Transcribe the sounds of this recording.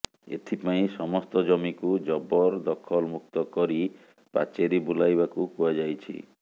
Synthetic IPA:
ḛt̪ʰipaĩsɔmɔst̪ɔd͡ʒɔmikud͡ʒɔbɔɾd̪ɔkʰɔlmuk̚t̪ɔkɔɾi | pa̰t͡ʃeɾibulajbakukuad͡ʒajt͡ʃʰḭ

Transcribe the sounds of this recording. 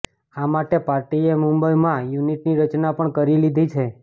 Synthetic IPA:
amaʈepaɾʈiemũmbəjmãjuniʈniɾət͡ʃnapəɳkəɾilid̪ʱit͡ʃʰe

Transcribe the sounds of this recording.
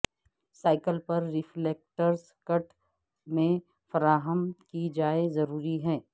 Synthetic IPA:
saːɪkəlpɐɾːɪfleːk̚ʈəɾs | kɐʈ | mẽ | fɐɾaːɦəmkid͡ʒaːezɐɾuːɾiɦɛː

